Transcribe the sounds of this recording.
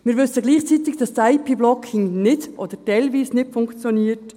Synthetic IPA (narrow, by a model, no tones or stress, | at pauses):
mɪːɾʋʏsəɡliːχt͡sit̪ɪɡd̥ɑstaɪpʰiːblɔkʰːɪŋnɪdʔɔd̥̪əɾtɛjlʋiːsnɪtfʊŋkt͡sjɔniːəɾt